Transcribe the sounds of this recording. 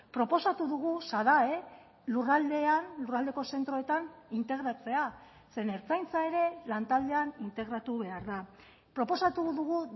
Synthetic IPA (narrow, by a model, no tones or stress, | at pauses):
pɾo̞po̞sat̪uðuɣ̞usaðae̞ | lurald̪e̞anlurald̪e̞ko̞se̞nt̪ɾo̞et̪anint̪e̞ɣɾat͡se̞a | se̞ne̞ɾt͡sajnt͡sae̞ɾe̞lant̪ald̪e̞anint̪e̞ɣɾat̪uβe̞aɾða | pɾo̞po̞sat̪uðuɣu